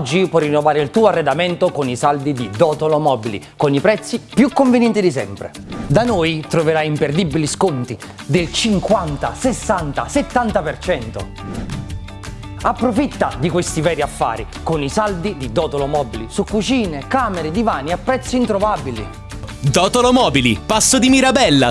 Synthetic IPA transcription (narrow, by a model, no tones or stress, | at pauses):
d͡ʒːipwɔrːinːovaːɾeilt̪uːoarːed̪ament̪okonisald̪id̪id̪ɔːt̪olomɔbilḭkonipɾɛt̪sːipjukːoɱvenjɛnt̪id̪isɛ̰mpɾḛ | d̪anojt̪ɾoveɾajimperd̪ibːiliskont̪i | d̪elt͡ʃiŋkwant̪asesːant̪aset̪ːant̪apert͡ʃɛnt̪o̰ | apːɾofit̪ːad̪ikwest̪ivɛːɾiafːa̰ːɾi | konisald̪id̪id̪ɔːt̪olomɔːbilisukːut͡ʃiːnekaːmeɾed̪ivaːniapːɾɛt̪sːint̪ɾovabilḭ | d̪ɔːt̪olomɔːbilipasːod̪imiɾabɛlːa